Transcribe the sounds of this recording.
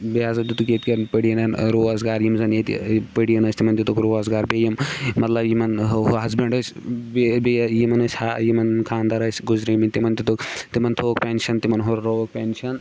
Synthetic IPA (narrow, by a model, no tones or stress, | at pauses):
beaːzɐt̪it̪ukʲet̪kenpəɽijɐnanɾoːɐzɡaːɾjimzɐnjet̪pəɽijɐnɐst̪imɐnt̪it̪ukɾoːɐzɡaːɾbejimːɐt̪lɐbjimɐnɦɐɦɦɐzbeɳɖɐsʲbebejimɐnɐsʲhajimɐnkʰaːnd̪aːɾɐsʲɡuzɾiminʲt̪imɐnt̪it̪ukt̪imɐnt̪ʰoːkpʲenʃɐnt̪imɐnɦoɾɾoːɐk̚pʲenʃɐn